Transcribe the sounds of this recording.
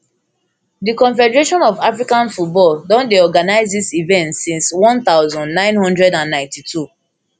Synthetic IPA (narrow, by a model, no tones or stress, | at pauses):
dikɔ̃nfɛdəɹeʃɔ̃nɔvafɹikãnfut̚bɔldɔ̃ndeɔɡanaɪzdisivɛ̃ntsĩnswɔ̃nt̪aʊzɔ̃ndnãɪ̃nhʌ̃ndɹɛdãnːãɪ̃ntitʰu